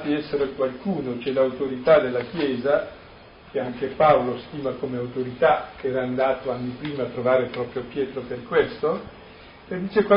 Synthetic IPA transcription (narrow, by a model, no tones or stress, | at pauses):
t̪iɛsːeɾekwalkuːnot͡ʃɛlawt̪oɾit̪ad̪elːak̟jɛːza | k̟eaŋkepaolost̪iːmakomeawt̪oɾit̪akeɛːɾaːnd̪aːt̪oanːipɾiːmaːt̪ːɾovaːɾepɾɔːpɾjopjɛːt̪ɾoperkwest̪o | ed̪iːt͡ʃekwa